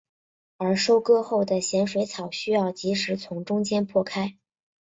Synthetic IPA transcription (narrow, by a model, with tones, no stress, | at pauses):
ə˞˧˥ʂo˥ʊkɤ˥˧xo˥˩ʊd̪ə˩ɕjɛ˧˥nʂwe˧˥ɪt͡sʰɑ˨˩ʊɕy˥jɑ˥˩ʊt͡ɕi˧˥ʂɻ̩˧˥t͡sʰʊ˧˥ŋʈ͡ʂʊ˥ŋt͡ɕjɛ˥npʰwɔ˥˩kʰa˥ɪ